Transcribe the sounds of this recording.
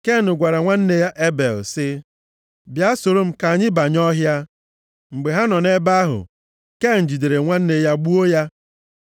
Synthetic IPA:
ke˦˨nʊ˨ɡʷa˨ɾa˨ŋʷa˦n̩˦ne˦ja˦ʔe˦bḛ˨lsɪ˦ | bja˦so˨ɾo˦m̩˦ka˨a˨ɲɪ˦ba˨ɲɔ˦ɦja˦ | ŋ͡m̩˨ɡ͡be˨ɦa˦nɔ˨ne˦ba˦ɦʊ̰˨ | ke˦˨n̩˨d͡ʒi˨de˨ɾe˨ŋʷa˦n̩˦ne˨ja˦ɡ͡bu˦o˦ja˦

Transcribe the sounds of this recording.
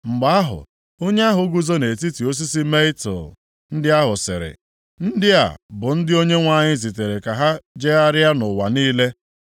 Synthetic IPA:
ŋ͡m̩˨ɡ͡ba˨a˦ɦʊ̰˨ | o˦ɲe˦a˦ɦʊ˨˦ɡu˦zo˦ne˨ti˦ti˨o˦s̬i˦si˦me˦i˦tɔ̰˨ | n̩˦dɪ˦a˦ɦʊ˨sɪ̰˨ɾɪ̰˨ | n̩˦dɪ˦a̰˨bʊ˨n̩˦dɪ˦o˦ɲe˦ŋʷa˦˨ɲɪ˦zi˨te˨ɾe˨ka˨ɦa˦d͡ʒe˦a˦ɾɪ˦a˦nʊ˨wa˨niː˦le˦

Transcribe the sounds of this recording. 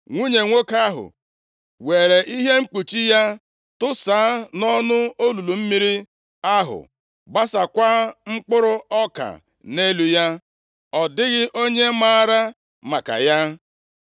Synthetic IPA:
ŋʷu˦ɲe˨ŋʷo˦ka˦ɦʊ̰˨ | we˨ɾe˨ʔi˦ɦe˦ŋ͡m̩˦k͡pu˨t͡ʃi˦ja˦ | tʊ˦saː˨˦nɔ˦nʊ˦o˦lu˨lu˨m̩˦mi˦ɾi˦ | a˦ɦʊ̰˨ | ɡ͡ba˦sa˨kʷa˦ŋ͡m̩˦k͡pʊ˦ɾʊ˦ɔ˦ka̰˨ | ne˦lu˨ja˦ | ɔ˨dɪ˦ɣɪ˦ʔo˦ɲe˦maː˦ɾa˦ | ma˨ka̰˨ja˦

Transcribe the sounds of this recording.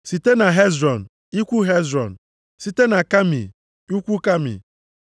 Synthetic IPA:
si˨te˦na˨ɦe˦zɾɔ˨n˨ | i˦kʷu˦ɦe˦zɾɔ̰˨n̩˨ | si˨te˦na˨ka˦mḭ˨ | u˦kʷu˦ka˦mḭ˨

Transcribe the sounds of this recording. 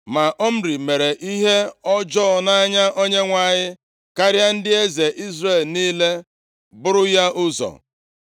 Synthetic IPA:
ma˨ʔɔ˦m̩˦ɾi˨me˨ɾe˨ʔi˦ɦe˦ɔ˦d͡ʒɔ˦˨na˦ɲa˦ʔo˦ɲe˦ŋʷa˨ɲɪ˦ | ka˦ɾja˦n̩˦dɪ˦e˦ze˨ʔi˦zre˦˨lniː˦le˦ | bʊ˦ɾʊ˦ja˦ʔʊ˦zɔ̰˨

